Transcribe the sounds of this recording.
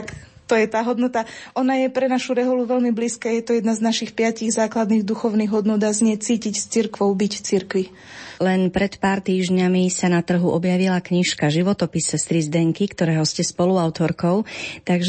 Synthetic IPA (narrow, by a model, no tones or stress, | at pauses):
k | t̪ɔjɛt̪aːɦɔd̪nɔt̪aʔɔnajɛpɾɛnaʃuɾɛɦɔluʋɛʎmibliːskaːjɛt̪ɔjɛd̪naznaʃixpɪaciɣzaːklad̪niːɣd̪uxɔʊniːɣɦɔd̪nud̪azɲɪɛt͡siːcicst͡siɾkʋɔʊbicft͡siɾkʋi | lɛnpɾɛt̪paːɾt̪iːʒɲamisanat̪r̩ɦuʔɔbjaʋilakɲiʃkaʒiʋɔt̪ɔpisɛst̪ɾizd̪ɛŋkikt̪ɔɾɛːɦɔscɛspɔluaʊt̪ɔɾkɔʊt̪aɡʒ